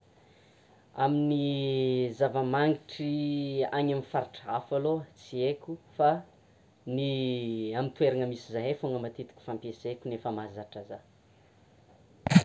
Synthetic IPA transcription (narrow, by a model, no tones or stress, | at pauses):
amini | zavəmaŋɡiʈ͡ʂiaɲamifaɾiʈ͡ʂafalot͡siekʲufa | niamint̪ueɾanəmisizaɦefoŋəmat̪it̪i̥kʲu̥fampesekʲunefəmazaʈ͡ʂaza